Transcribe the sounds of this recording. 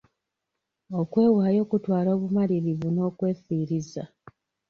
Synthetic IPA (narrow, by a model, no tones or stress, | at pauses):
o̞kwe̞ːwaːjo̞ːkutwaːlo̞ːβumaliɾivuno̞ːkwe̞ːfiːɾiza